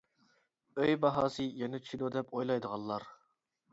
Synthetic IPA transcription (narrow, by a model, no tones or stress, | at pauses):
øjbɑɦɑːsɨjɛnɛt͡ʃʰid̪od̪ɛpʰojlˠɑjd̪əʁɑlˠːɑɾ